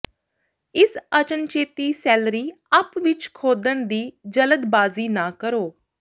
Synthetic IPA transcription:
ɪsət͡ʃənt͡ʃeːt̪iːsɛːlɾiː | apʋɪt͡ʃkʰoːd̪ənd̪iːd͡ʒələd̪baːziːnaːkəɾoː

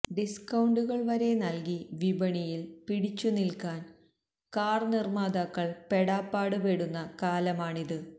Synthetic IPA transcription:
ɖiskɐwɳɖuɣɐɭʋɐɾe̞nɐlkiʋibɐɳijilpiɽit͡ɕːunilkaːn | kaːrnirmaːd̪ɐkːɐɭpe̞ɽaːpːaːɽɨpeɽunːɐkaːlɐmaːɳiðɨ

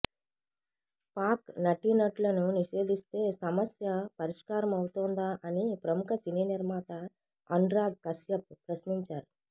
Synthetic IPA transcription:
paːknɐʈinɐʈlɐnuniʂe̞ːd̪ist̪e̞ːsɐmɐsjɐpɐɾiʂkaːɾɐmɐwut̪oːnd̪aːʔɐnipɾɐmukɐsiniːniɾmaːt̪ɐ | ɐɳɖɾaːɡ̚kɐsjɐp̚ːɾɐʃniɲt͡ʃaːɾu

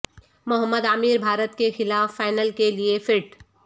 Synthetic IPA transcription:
mʊɦəmːəd̪amiːɾbʱaːɾət̪kexɪlaːfːaːɪnəlkeliefɪʈ

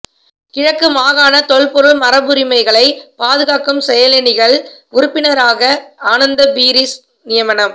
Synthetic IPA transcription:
kɪɻɐkːɯmaːɣaːnɐt̪ɔɭpɔɾɯɭmɐɾɐbɯɾɪmɐɪɣɐɭɐɪpaːðɯɣaːkɯmsɛjɐlɛnɪɣɐɭʊɾʊpːɪnɐɾaːɣɐaːnɐnd̪ɐbiːɾis | nɪjɐmɐnɐm

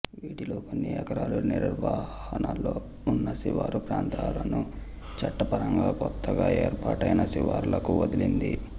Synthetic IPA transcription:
ʋiːʈiloːkonːiɛkɐɾaːluniɾuɾʋaːhɐnalo̞ː | unːɐsiʋaːɾupɾaːnt̪ʰaːlɐnu | t͡ʃɐʈːɐpɐɾɐŋɡaːkɔt̪ʰːɐɡaːeːɾpaːʈɐjnɐsiʋaːɾulɐkuʋɐd̪ilind̪i

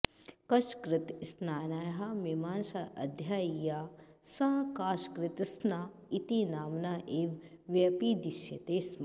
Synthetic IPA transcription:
kɐʃkɾɪt̪snaːnajɦɐmimaːnʃɐʔɐd̪ʱjaːjaː | sɐɦkaːʃkɾɪt̪snaː | it̪inaːmnaːʔeːʋʋjɐpiːd̪iʃjɐt̪eːsm

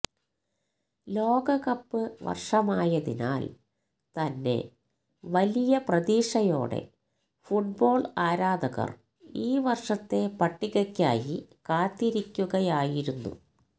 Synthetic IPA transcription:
lo̞ːɡɐɣɐpːɨʋɐ̰rʂɐmaːjɐðina̰ːl | t̪ɐnːe̞̰ | ʋɐlijɐprɐðiːʂɐjo̞̰ːɽe̞̰ | fuʈ̚bo̞ːɭaːɾaːd̪ʱɐɣɐ̰r | iːʋɐrʂɐt̪ːe̞pɐʈːiɣɐkʲːa̰ːjikaːt̪ːiɾikʲːuɣɐjaːjiɾunːṵ

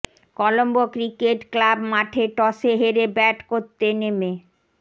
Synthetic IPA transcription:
kɔlombokɾikeʈklabmaʈʰeʈɔseɦeɾebɛʈkoɾt̪ːeneme

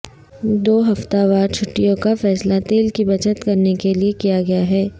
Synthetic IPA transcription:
d̪oːɦɐft̪aʋaːɾt͡ʃʰʊʈːijõkafɛːslat̪eːlkibɐt͡ʃət̪kɐɾnekeliekijaɡɐjaɦɛː

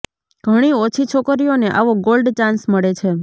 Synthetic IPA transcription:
ɡ̥ʱəɽ̃iot͡ʃʰit͡ʃʰokɾioneʔaʋoɡolɖt͡ʃãnsməɭet͡ʃʰe

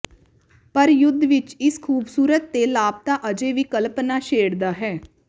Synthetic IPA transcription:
pəɾjʊd̪ʱːʋɪt͡ʃɪskʰuːbsuːɾət̪ːeːlaːb̚t̪aːʔəd͡ʒeːʋiːkəlpnaːʃeːɽd̪aːɦɛː

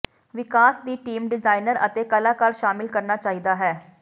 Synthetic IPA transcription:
ʋɪkaːsd̪iːʈiːmɖɪzaːinəɾət̪ekɐlaːkaːɾʃaːmɪlkəɾnat͡ʃaːɦid̪aɦɛː

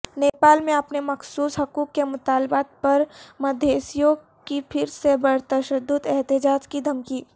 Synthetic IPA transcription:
neːpaːlmẽɐpnemɐxsuːsɦɐkuːkːemʊt̪aːlbaːt̪̚pɐɾmɐd̪ʱeːsijõ | kipʰɪɾsebɐɾt̪ɐʃəd̪ːʊd̪ɛɦt̪ɪd͡ʒaːd͡ʒkid̪ʱɐmkiː

